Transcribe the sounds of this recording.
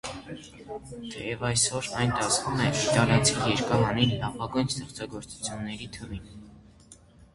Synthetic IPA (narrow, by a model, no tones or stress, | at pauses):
t̪ʰɛjɛvɑjsɔɾɑjnt̪ɑsvumɛit̪ɑljɑt͡sʰijɛɾkɑɦɑninlɑvɑɡujnst̪ɛχt͡sɑɡɔɾt͡su̥t͡sʰjunːɛɾit̪ʰəvin